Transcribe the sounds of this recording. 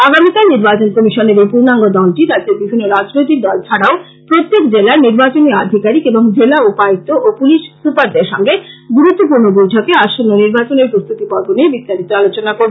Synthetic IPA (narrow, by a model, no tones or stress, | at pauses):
aɡamikalniɾbat͡ɕonkomiʃoneɾepuɾnaŋɡod̪ɔlʈiɾat̪d͡ʑeɾbibʱinːoɾad͡ʑnojt̪ik̚d̪ɔlt͡ɕʰaɽao | pɾot̪ːekd͡ʑelaɾniɾbat͡ɕoniad̪ʱikaɾikeboŋd͡ʑelaupait̪ːoʔopuliʃsupaɾd̪eɾʃɔŋɡeɡuɾut̪ːop̬uɾnobojʈʰɔkeaʃonːoniɾbat͡ɕoneɾpɾost̪ut̪ipɔɾbʱoniebist̪aɾit̪oalot͡ɕonakoɾbe